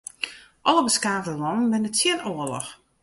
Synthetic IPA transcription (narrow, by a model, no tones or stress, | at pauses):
ʔɔləbəskaːvdəlɔnən̩bɪnətɪnoəlɔ̰x